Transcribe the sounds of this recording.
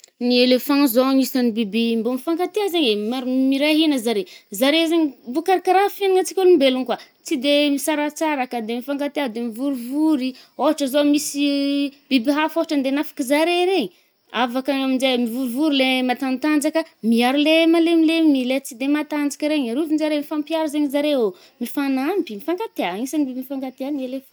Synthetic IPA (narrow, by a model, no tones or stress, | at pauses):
nielefãzoɲisanibibimbomifaŋkat̪eazeɲemamiɾaɦinəzaɾezaɾezeɲibukaɾakaɾafeniŋat͡si̥kʲoluimbeluŋkwa | t͡sid̪emisaɾat͡saɾakəd̪emifaŋkat̪ead̪emivuɾivuɾioɦaʈ͡ʂəzomisib̥ibiɦafoɦaʈ͡ʂənd̪enafḁkizaɾeɾeɲi | avakaamind͡ʒemivuɾivuɾilemat̪ant̪and͡ʒakəmiaɾulemalemilemilet͡sid̪emat̪and͡ʒḁkʲəɾeɲaɾuvinzaɾemifampiaɾuzeɲizaɾeo | mifanambimifaŋɡat̪eaisanibibinfaŋɡat̪eanelef